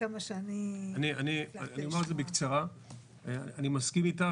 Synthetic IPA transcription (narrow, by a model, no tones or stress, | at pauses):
amaʃeanianianianiomaezebekt͡saʁa | animaskimita